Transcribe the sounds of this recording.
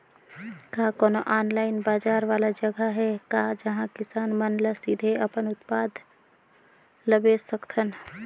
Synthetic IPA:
kaːkɔːnoʔaːnlaːɪnbaːd͡ʒaːɾʋaːlad͡ʒəɡəɦɛkaːd͡ʒəɦãkɪsaːnmənləsid̪ʱeɐpənʊt̪paːd̪ʱ | ləbesəkt̪ʰən

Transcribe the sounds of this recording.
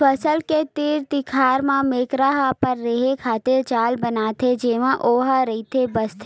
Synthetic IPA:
fɐsəlket̪iːɾt̪ɪkʰaːɾmãmeːkɾaɦapɐɾːɐɦekʰaːt̪eɾt͡ʃaːlbɐnaːt̪ʰed͡ʒeːʋãʔoːɦaɾɐɦit̪ʰebɐst̪ʰː

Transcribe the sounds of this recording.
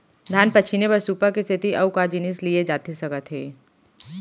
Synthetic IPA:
d̪ʱaːnpɐt͡ʃʰinebɐɾsuːpakist̪ʰɪt̪iʔɐukad͡ʒinislied͡ʒaːt̪isɐɡət̪ɦḛː

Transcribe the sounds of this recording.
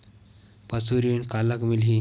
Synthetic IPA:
pət͡suɾinkalakmilɦi

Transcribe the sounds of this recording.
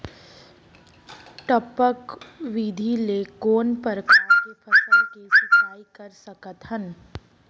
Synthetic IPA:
ʈəpəkʋid̪ʱilekoːnpəɾkʰaːɾkepʰɐsəlkisʊpʰaːikɐɾsɐkət̪hən

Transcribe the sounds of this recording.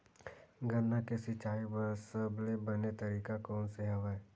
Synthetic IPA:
ɡʱənːakesɪt͡ʃaːibəɾsəblebɐnet̪ɐɾiːkakɔːnseɦɐʋa

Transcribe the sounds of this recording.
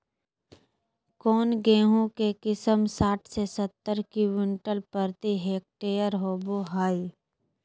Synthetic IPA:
kɔːnɡẽːɦõkekɪsəmsaːʈʰsesət̪ːəɾkiwɪɳʈəlpəɾt̪iɦeːk̚ʈeːjəɾɦoːboɦaːi

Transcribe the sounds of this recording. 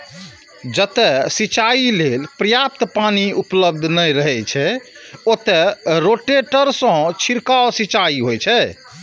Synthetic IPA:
d͡ʒət̪ɛsit͡ʃailelpɾəjap̚t̪paniupləb̚d̪ʱnəjɾəɦɛt͡ʃʰɛot̪ɛɾoʈeʈəɾsə̃t͡ʃʰiɾkaosit͡ʃaiɦojt͡ʃʰɛ

